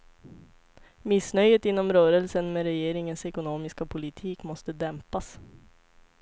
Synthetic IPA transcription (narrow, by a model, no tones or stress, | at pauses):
mɪsnœjət̪ɪnːɔmɾœːɾəlsənmeːɾɛjeːɾɪŋənsɛkʊnoːmɪskapʰʊlɪt̪ʰiːkmɔst̪əd̪ɛmpas